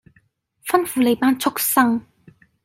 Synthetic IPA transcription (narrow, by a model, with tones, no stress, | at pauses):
fɐ˥nfuː˨˧le˨˩jpaː˥nt͡sʰʊ˥k̚sɐ˥ŋ